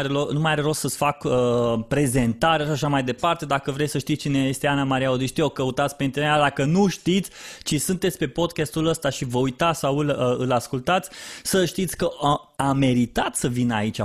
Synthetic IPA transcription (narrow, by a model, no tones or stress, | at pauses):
ɾelonumajaɾeɾossəsfakəpɾe̞ze̞nt̪aɾaʃaʃamajd̪e̞part̪e̞d̪akəvɾesʲsəʃt̪it̪t͡ʃineje̞st̪eanamaɾijaod̪iʃt̪iokəut̪at̪sʲpeint̪inead̪akənuʃt̪it̪sʲt͡ʃisunt̪et̪sʲpe̞po̞d̪kʲest̪uləst̪aʃivəujt̪at̪sʲsawɨləɨlaskult̪at̪sʲsəʃt̪it̪sʲkə | amːe̞ɾit̪at̪səvinait͡ʃʲa